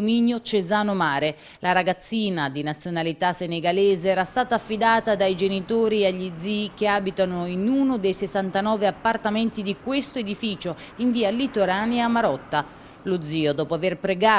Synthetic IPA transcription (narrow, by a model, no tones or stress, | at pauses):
miɲjot͡ʃezaːnomaːɾe | laɾaɡat̪sːiːnad̪inat̪sːjonalit̪asːeneɡalɛːzeɛːɾast̪aːt̪aːfːid̪aːt̪ad̪ajd͡ʒenit̪oːɾiaʎːid̪ziːkeaːbit̪anoinuːnod̪ejsesːant̪anɔːveapːart̪amɛnt̪id̪ikwest̪oed̪ifiːt͡ʃoiɱviːalit̪oɾaːneamaɾɔt̪ːa | lod̪ziːod̪ɔːpoaverpɾeɡaː